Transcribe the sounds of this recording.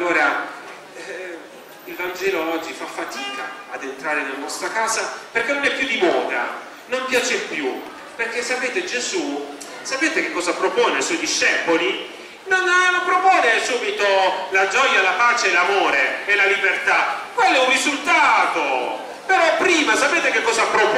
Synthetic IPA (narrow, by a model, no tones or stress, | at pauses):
alːoːɾa | ilvand͡ʒɛːloɔd͡ʒːifafːat̪iːka̰ad̪ent̪ɾaːɾenelanɔst̪ɾakaːzaperkenonɛpːjud̪imɔːd̪a̰ | nompjaːt͡ʃepːju | perk̟esːapeːt̪ed͡ʒezu | sapeːt̪ekekːɔːzapɾopɔːneajswɔjd̪iʃːɛpoli | nonlopɾopɔːnesuːbit̪olad͡ʒɔjːalapaːt͡ʃeːlamoːɾeːlalibert̪akwelːɛurizult̪aːt̪o | peɾɔpːɾiːmasapeːt̪ekekːɔːzapɾop